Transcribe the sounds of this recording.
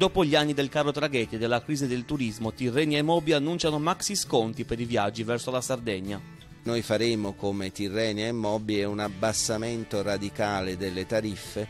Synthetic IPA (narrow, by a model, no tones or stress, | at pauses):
d̪ɔːpoʎianːid̪elkarːot̪ɾaɡɛt̪ːed̪elːakɾiːzid̪elt̪uɾizmot̪irːɛːniemːɔːbianːunt͡ʃanomaksiskont̪ipeɾivjad͡ʒːivɛrsolasard̪ɛɲːa | nojfaɾeːmokomet̪irːɛːniemːɔbiɛunabːasːament̪orad̪ikaːled̪elːet̪aɾifːe